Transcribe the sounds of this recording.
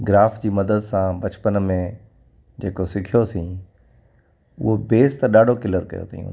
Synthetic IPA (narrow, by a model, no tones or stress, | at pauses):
ɡɪɾaːfd͡ʑiːmɐd̪əd̪sãbɐt͡ɕpənmẽ | d͡ʑeːkosɪkʰijosĩː | ʊ̰ɦobeːst̪ɗaːɖʱokɪləɾkɐ̰jo̰t̪ʰḭːjṵ̃ː